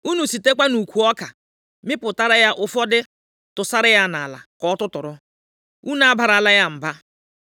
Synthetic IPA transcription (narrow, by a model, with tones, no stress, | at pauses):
u˦nu˨si˨te˦k͡pʷa˦nu˨kʷu˨ɔ˦ka˨ | mɪ˦pʊ˨ta˦ɾa˦ja˦ʔʊ˦fɔ˦dɪ˦ | tʊ˨sa˦ɾɪ˦ja˦na˨la̰˨kɔ˨ɔ˦tʊ˦tʊ˨ɾʊ˦ | u˦na˨˦a˦ba˨ɾla˦ja˦m̩˨ba˦